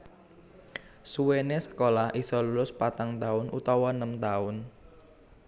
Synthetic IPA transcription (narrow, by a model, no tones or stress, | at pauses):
suwenesə̥kolahʔisɔlulʊspat̪aŋt̪aʊnʔut̪ɔwɔnəmt̪aʊn